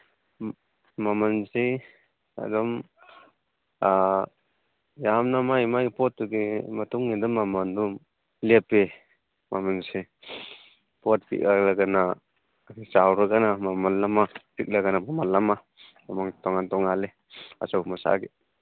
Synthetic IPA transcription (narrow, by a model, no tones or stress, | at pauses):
mamansi | a̰dɔm | a | jamnamajmajpɔtːuɡimatuŋːid̪umamandum | lepe | mamansi | pɔt̚pḭʔ̚alaɡana | kit͡ʃawɾaɡanamamanlamapik̚laɡanamamanlːama | amaŋtɔŋantɔŋale | a̰sawmasa̰ɡe